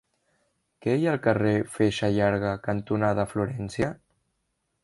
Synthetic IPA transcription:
kɛjalˠkərefeʃaʎaɾɣakənt̪unaðəfluɾɛnsjə

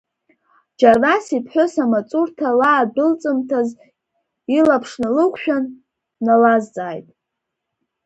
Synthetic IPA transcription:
d͡ʒarrasipʰħʷʊsamat͡sʼurtʰalaːdɨlt͡sʼɨmtʰaz | ilapʰʂnalɨkʷʰʼʃᶣan | nalazt͡sʼaːjtʼ

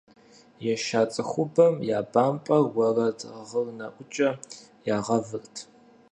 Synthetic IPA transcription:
jɛʃaːt͡sʼɨxʷʊbɐmjaːbaːmpʼɐwɐrɐdʰʁərnɐʔʷʊt͡ʃʼɐ | jaːʁɐvɨrtʰ

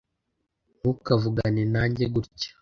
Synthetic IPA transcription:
nukavuɡaninaːɲɟeɡuɾcḁ

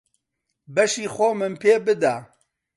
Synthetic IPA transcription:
bɛʃiːxʷɔmɨnpʰeːbɨd̪aː

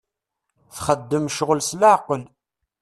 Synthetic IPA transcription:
θχəd̪ːəmʃʁəlsləʕqəl

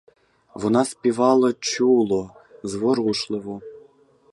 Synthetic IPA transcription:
ʋɔnɑspʲiʋɑlˠɐt͡ɕulˠɔzʋɔɾuʃlˠɪʋɔ

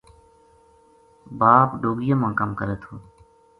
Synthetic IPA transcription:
baːpɖoːɡɪjãːmãːkəmkəɾeːt̪ʰoː

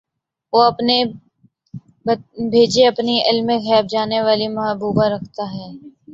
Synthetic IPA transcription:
ʋoːɐpne | bbʱeːd͡ʒeɐpniʔɪlmẽxɛːb̚d͡ʒaːneʋaːlimɐɦəbuːbaɾɐkʰt̪aɦɛː

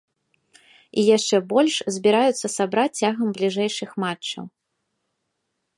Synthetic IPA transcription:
ijaʂt͡ʂɛbɔlʲʂzʲbʲiɾajut̪sːɐsabɾat͡sʲːaɣɐmblʲiʐɛjʂɨxmat͡ʂt͡ʂːɐ̰w

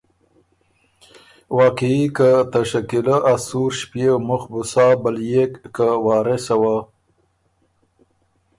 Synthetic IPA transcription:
wɑːqiikət̪aʃakiləʔasuɾʃpjewmʊxbʊsɑːbəljekːawɑːɾesawa

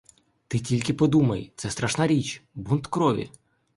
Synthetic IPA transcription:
t̪ɪtʲilʲkɪpɔd̪umɐjt̪sɛst̪ɾɐʃnɑɾʲit͡ʃbunt̪kɾɔʋʲḭ

